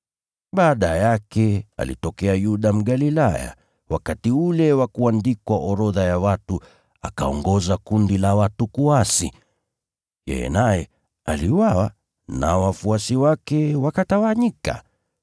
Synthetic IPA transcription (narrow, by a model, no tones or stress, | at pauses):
ɓaːɗajakɛa̰lḭtɔkɛajuɗam̩ɠalilaja̰ | wakatiulɛwakuandikwaʔɔɾɔðajawatu | aka̰ɔŋɡɔzakundilawatukuasḭ | jɛ̰jɛ̰najɛ | a̰liwawa | na̰wafuasiwakɛwakatawaɲika̰